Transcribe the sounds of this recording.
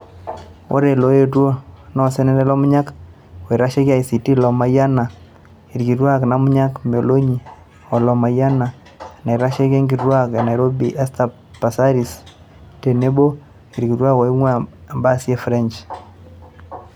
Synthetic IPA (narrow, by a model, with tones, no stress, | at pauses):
o̰˦ɾɛ˨lo˨je˦twɔ˦nɔ˦sɛ˦nɛ˦dɛ˦lɔ˦mʊ˦ɲa˦k | wɔ˨i˨ɾa˦ʃɛ˦ka˦i˨si˨ti˦lɔ˨ma˨ja˦na˨ | i˨ɾki˨twa˦kna˦mʊ˦ɲa˦kme˨lo˦ɲi˨ | ɔ˨lɔ˨ma˨ja˦na˨ | na˨i˨ɾa˦ʃe˦kɛ˦ŋɡi˨twa˦kɛ˨na˨jɾo˦bi˨ʔɛ˦sta˨ | pa˨sa˦ɾis | tɛ˨ne˦bo˦ | i˨ɾki˨twa˦kɔ˨i˦ŋwa˦a˨mba˦si˦ɛ˦fɾɛ˦nt͡ʃ